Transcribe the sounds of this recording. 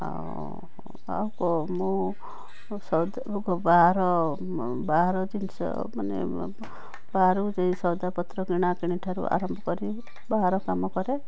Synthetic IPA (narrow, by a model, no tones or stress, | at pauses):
a̰ | a̰wkɔmũ | sɔd̪ | ɡɔbaɦaɾɔ | baɦaɾɔd̪insɔ̰ | manḛ | baɦaɾud͡ʒaĩsɔwd̪apɔt̪ɾɔɡiɽ̃akiɽ̃iʈʰaɾṵa̰ɾɔmbʱɔkɔɾi | baɦaɾɔkamɔkɔɾe